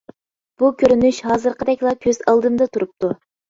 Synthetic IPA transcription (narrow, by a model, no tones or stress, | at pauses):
b̥ukʲʰøɾynyʃhɑːzɨɾqəd̪ɛkʲlˠɑkʲʰøz̥ɑlˠd̪ɨmd̪ɑt̪ʰuɾup̚t̪u